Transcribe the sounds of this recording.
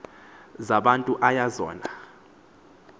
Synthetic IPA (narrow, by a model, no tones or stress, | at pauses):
zaɓantʼuʔajazɔ̰ːna